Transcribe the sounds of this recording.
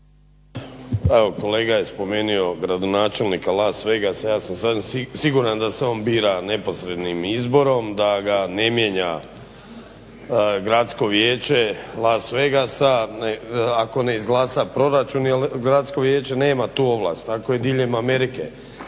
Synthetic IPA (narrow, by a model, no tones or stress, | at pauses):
eʋo̞ko̞leːɡaje̞spo̞me̞ːnio̞ɡɾad̪o̞naːt͡ʃe̞lnikalˠaːsʋe̞ɡasajaːsamsasimsiɡuɾand̪aseo̞ːnbiːɾane̞po̞sɾe̞d̪nimizbo̞ɾo̞md̪aɡane̞mjeɲa | ɡɾat̪sko̞ʋjeːt͡ʃe̞lˠaːsʋe̞ɡasanako̞ne̞izɡlˠaːsapɾo̞ɾat͡ʃunjelɡɾat̪sko̞ʋjeːt͡ʃe̞ne̞ːmat̪uːo̞ʋla̰st̪akoje̞d̪iːʎe̞mameɾikḛ